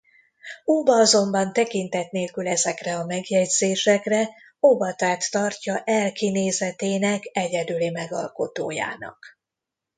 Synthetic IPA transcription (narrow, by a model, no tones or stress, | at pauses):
uːbɒɒzo̞mbɒnt̪ɛkint̪ɛt̪neːlkylɛzɛkrɛɒmɛɡjɛɟz̥eːʃɛkrɛ | obɒt̪aːt̪ːɒrcɒʔɛlkineːzɛt̪eːnɛkɛɟɛd̪ylimɛɡɒ̰lko̞t̪oːja̰ːnɒ̰k